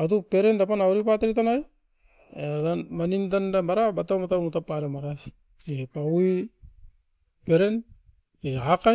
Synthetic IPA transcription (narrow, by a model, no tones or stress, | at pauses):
at̬upeɾentapanaoɾipateɾit̬anaj | etamanintandamaɾabatamatamutapːaɾamaɾas | epawi | peɾen | eaka